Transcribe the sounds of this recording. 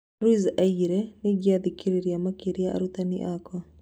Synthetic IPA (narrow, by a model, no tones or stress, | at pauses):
ɾwizaiɾɛneɡjaðikʰiɾeɾiamakeɾjaa̰ɾut̪anḭʔakɔ